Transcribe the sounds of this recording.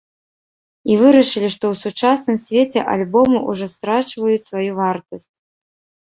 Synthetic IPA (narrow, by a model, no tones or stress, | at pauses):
ivɨɾɐʂɨlʲiʂt̪ɔwsut͡ʂasnɨmsʲvʲet͡sʲɛʔa̰lʲbɔmɨʔuʐɔst̪ɾat͡ʂvɐjut͡sʲsvajuvart̪ɐsʲt͡sʲ